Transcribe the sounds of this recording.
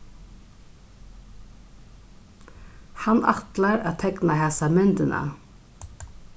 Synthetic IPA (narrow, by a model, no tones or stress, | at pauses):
hanʔa̰t̪laɾa̰ːt̪ʰɛknahɛsamʏnt̪ɪnʔa̰